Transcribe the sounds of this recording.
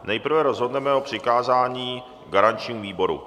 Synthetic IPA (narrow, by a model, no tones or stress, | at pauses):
nɛjpr̩vɛɾozɦodnɛmɛopr̝̥ɪkaːzaːɲiː | ɡaɾant͡ʃɲiːmviːbo̞ɾṵ